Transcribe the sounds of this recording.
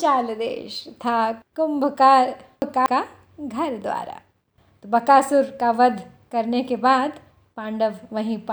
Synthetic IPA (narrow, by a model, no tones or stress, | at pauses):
t͡ʃaːld̪ḛːʃt̪ʰakʊmbʱkaːɾ | kaka | ɡʱɐɾd̪ʋa̰ːɾa̰ | t̪obɐkaːsʊɾkaʋɐd̪ʱ | kɐɾnekebaːd̪ | pãːɳɖəʋʋɐɦĩp